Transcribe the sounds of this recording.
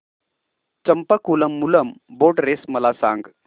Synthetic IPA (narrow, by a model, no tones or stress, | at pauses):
t͡ɕəmpəkuləmːuləmboʈɾesməlasã̰ŋɡ